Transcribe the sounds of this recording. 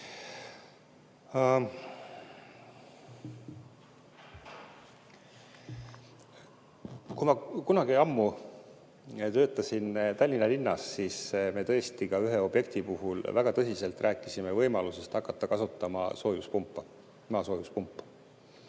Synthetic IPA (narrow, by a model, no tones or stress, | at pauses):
kujmɑkunɑɡieɑmːu | t̪ø̞ːt̪ːˑɑsint̪ɑlʲːinɑlinːɑsːiːsme̞t̪ɤ̞est̪ikɑyɦeo̞b̥je̞kt̪ipuɦulvæɡ̥ɑt̪ɤsise̞lt̪ːˑrʔæːkːˑisime̞vɤ̞jmɑluse̞st̪ɑkːˑɑt̪ːɑkɑsut̪ˑːɑmɑ̰so̞ːjuspumpːˑɑ | mɑso̞ːjuspumpˑː